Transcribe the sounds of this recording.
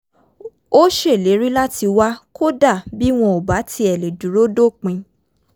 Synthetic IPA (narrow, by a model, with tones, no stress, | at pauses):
o˦ʃe˦˨le˨˦ɾi˦la˦tʰi˧wa˦ko˦da˦˨bi˦w̃ɔ̃˧o˨ba˨˦tʰi˧ɛ˨le˨du˨ɾo˦do˦˨k͡pĩ˧